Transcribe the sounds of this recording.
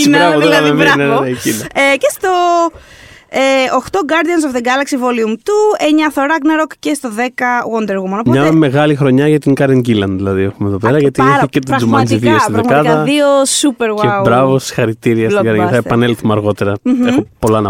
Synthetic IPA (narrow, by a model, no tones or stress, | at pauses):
ɾɐvoðelɐmeveneɾɐecinɐecest̪o̞ | eːxt̪o̞ɡɐɾðiɐns̬ofðeɡɐlɐksivoliumt̪ueɲɐθoɾɐɡneɾokcest̪o̞ðekɐwond̪eɾɣumonopmɲɐme̞ɣɐlixɾo̞ɲɐʝɐt̪iŋkɐɾeŋɟilɐnðilɐðiexumeðo̞peɾɐʝɐt̪iiçecet̪izumɐnziðiost̪iðekɐðɐðiosupeɾwaewbɾɐvosi̥xɐɾit̪iɾiɐskɐɾeɐθɐɐepɐnelθumɐɾɣo̞t̪eɾɐexopo̞lɐnɐ